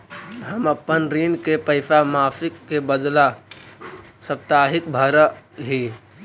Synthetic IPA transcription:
ɦɐmɐpːənɾiːnkepəɪsamaːfɪkːebəd̪la | sɐp̚t̪aːɦɪk̚bʱaɾəɦiː

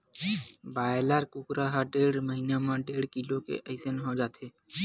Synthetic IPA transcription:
baelaɾkukɾaɦaɖeɽməɦinamãɖeɽkilokḛʔəɪsenɦod͡ʒat̪ʰe

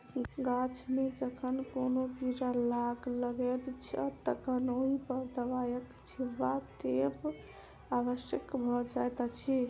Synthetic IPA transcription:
ɡat͡ʃʰmed͡ʒəkʰənkonoɡiɾalaɡləɡɛd̪t͡ʃʰət̪əkʰənoɦipəɾd̪əʋajək | t͡ʃʰiʋat̪ep | aβəʃjəkbʱɔd͡ʒajt̪at͡ʃʰi

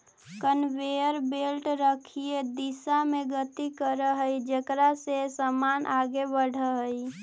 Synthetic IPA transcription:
kənʋejəɾbelʈɾəkʰied̪isameɡət̪ikəɾəɦəid͡ʒekɾasesəmanʔaɡebəɽ̤ʱəɦəi

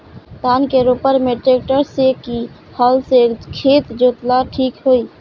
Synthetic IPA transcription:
t̪aːnkeɾoːpəɾmeʈɾeːk̚ʈəɾseki | hɔːlsekʰeːt̪d͡ʒoːt̪laʈʰiːkɦoːiː

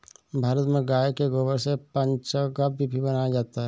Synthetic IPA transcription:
bʱaːɾət̪mẽɡaːekeɡoːbəɾsepɐ̃ɲt͡ʃəɡabbʱibʱibɐnaːjad͡ʒaːt̪aɦɛː

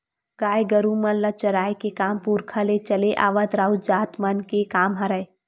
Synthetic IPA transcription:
ɡ̥aːjɡəɾumənlɐt͡ʃɐɾaːjkekaːmpuɾkʰalet͡ʃəleʔaːʋat̪ɾaːud͡ʒaːt̪mənkekaːmɦɐɾəj

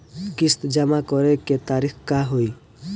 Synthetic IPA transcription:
kist̪d͡ʒamakɔɾeket̪aɾikʰkaɦoj

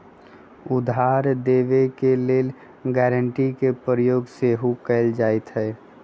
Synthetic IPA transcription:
ʊd̪ʱɦaːɾd̪eːʋekeleːl | ɡɛɾəɳʈikepəɾəjoːɡseɦukɛɪld͡ʒaːɛt̪ɦɛː

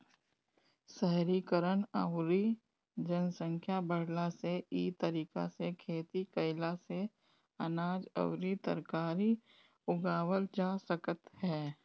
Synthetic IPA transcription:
sɛɦɾikəɾənəwɾi | d͡ʒənsə̃ŋkʰjabəɽlaseiːt̪əɾiːka̰sekʰeːt̪ikəɪlase | ɐnaːd͡ʒə̰wɾit̪ə̰ɾkaːɾi | ʊɡaːwəld͡ʒaːsəkət̪hɛː

